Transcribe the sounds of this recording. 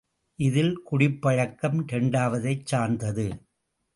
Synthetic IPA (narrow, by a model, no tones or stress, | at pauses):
ʔɪðɪlkʊɽɪpːɐɻɐkːɐmt̪ɛɳɖaːʋɐðɐɪt͡ʃːaːɾnd̪ɐðɯ